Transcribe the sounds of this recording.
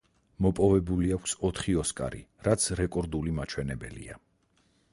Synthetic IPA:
mɔpʼɔvɛbuliakʰsɔt̪ʰχiɔskʼa̰ɾḭɾat̪sʰɾɛkʼɔɾd̪ulimat͡ʃʰwɛnɛbɛ̰lḭa̰

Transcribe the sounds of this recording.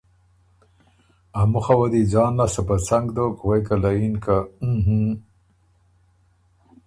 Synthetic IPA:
amuxawad̪id͡zɑːnːasapasaŋɡd̪okwajkalainkãɦũ

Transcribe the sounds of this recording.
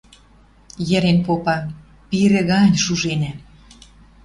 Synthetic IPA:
jə̆ɾenpopɑ | piɾĕɣɑnʲʃuʒenæ

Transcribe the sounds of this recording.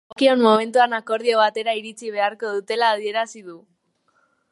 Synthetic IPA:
kionmo̞me̞nt̪uanako̞ɾðio̞β̞at̪e̞ɾaiɾit͡siβ̞e̞aɾko̞ðut̪e̞laːðie̞ɾasiðu

